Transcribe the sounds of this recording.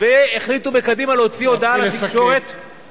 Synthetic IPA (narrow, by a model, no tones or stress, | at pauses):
veːχlit̪ubekad̪imaleɦo̞t͡sio̞d̪aalat̪iʃo̞ʁe̞t̪